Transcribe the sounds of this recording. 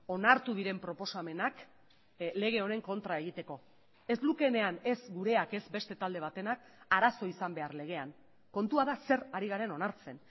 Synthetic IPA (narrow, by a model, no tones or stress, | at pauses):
o̞naɾt̪uðiɾe̞mpɾo̞po̞same̞nak | le̞ɣ̞e̞o̞ne̞ŋko̞nt̪ɾae̞ɣ̞it̪e̞ko̞ | e̞zlukene̞ane̞zɡuɾe̞ake̞zbe̞st̪e̞t̪ald̪e̞β̞at̪e̞nak̚ | aɾaso̞isambe̞arle̞ɣ̞e̞aŋ | ko̞nt̪uaðase̞ɾaɾiɣ̞aɾe̞no̞naɾt͡se̞n